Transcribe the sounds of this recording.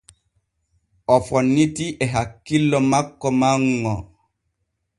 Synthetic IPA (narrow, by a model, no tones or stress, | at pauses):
ɔfɔnːitiʔɛɦakːilːɔmakːɔmaŋːɔ